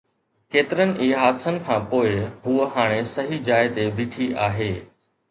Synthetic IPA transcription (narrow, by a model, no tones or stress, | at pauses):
keːt̪ɪɾənɪ̆ʔiːɦaːd̪sənɪ̆kʰãːpoːɪɦuəɦaːɽ̃esɐɦid͡ʑaːɪt̪ebʱiːʈʰiʔaːɦeː